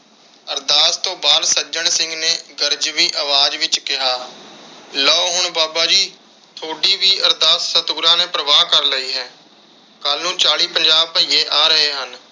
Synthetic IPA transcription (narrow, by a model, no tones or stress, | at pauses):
əɾd̪aːst̪õːbaːd̪səd͡ʒəɳsɪ̃ŋɡneːɡəɾd͡ʒʋiːʔəʋaːd͡ʒʋɪt͡ʃkɪɦaː | lɔːɦʊɳbaːbaːd͡ʒiː | t̪ʰoːɖiːʋiːʔəɾd̪aːsːət̪uːɾãːneːpɾəʋaːkəɾləiːɦɛː | kəlnũːt͡ʃaːɽiːpəɲd͡ʒaːbpəjeːʔaːɾəɦeːɦən